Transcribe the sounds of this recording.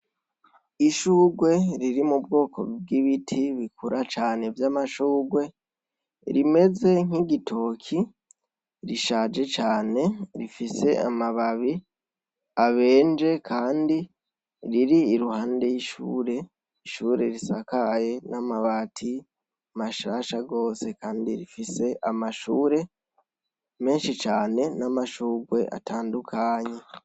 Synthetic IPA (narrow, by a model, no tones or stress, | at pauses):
iʃuːɡwe̞ɾiɾimubɡo̞ːkʰo̞̰b̚ɡiβitʰiβikuɾʔat͡ʃaːne̞vjamaʃuːɡwe̞ | ɾime̞ze̞ŋ̥hiɡitʰo̞kʰi | ɾiʃaːd͡ʒe̞t͡ʃaːne̞ɾifise̞ʔa̰maβaβi | aβe̞ːnd͡ʒe̞kʰaːndi | ɾiɾiːɾuhaːndejiʃṵːɾe̞ | iʃuːɾe̞ɾisakaje̞namaβaːtʰi | maʃaːʃaɡo̞ːse̞kaːndiɾifise̞ʔamaʃuːɾe̞ | me̞ːnʃit͡ʃaːne̞namaʃuːɡwe̞ʔa̰taːndukʰaːɲe̞